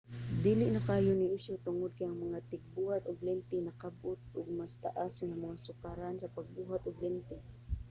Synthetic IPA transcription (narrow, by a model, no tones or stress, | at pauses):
d̪iːlɪʔnɐkaːjonɪʔɪʃot̪ʊŋʊd̪̚kajaŋmɐŋat̪ɪɡ̚buːhat̪ʊɡlɛnt̪ɪnɐkab̚ʔʊt̪̚ʔʊɡ̚mast̪aʔasŋamaŋasʊkaɾansɐpaɡ̚buːɦat̪ʊɡlɛnt̪ɪ